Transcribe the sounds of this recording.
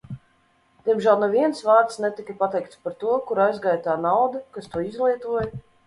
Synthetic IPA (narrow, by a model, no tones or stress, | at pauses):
d̪̥iɛmʒælˠnovʲiɛnsvaːɾt̪snɛt̪ikɐpat̪ɛjk̚t̪spaɾt̪uɔkuɾajzɡaːjt̪aːnawd̪ɐkast̪uɔizlˠiɛt̪uɔj